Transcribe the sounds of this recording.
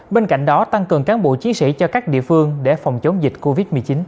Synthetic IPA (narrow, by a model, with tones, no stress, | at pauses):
ɓe˧nka̰˧˨jŋ̟ɗɔ˨˦t̪a˧ŋkɨ˨˩əŋkaː˨˦nɓo̰˧˨t͡ɕi˨˦ənsḭ˧˥t͡ɕɔ˧kaː˦˥k̚ɗḭ˧˨əfɨ˧əŋɗe˧˩fɔ˨˩wŋ͡mt͡ɕə˨˦wŋ͡mzi˨˩t̟̚ko˧vi˦˥t̚mɨ˨˩ət͡ɕi˨˦n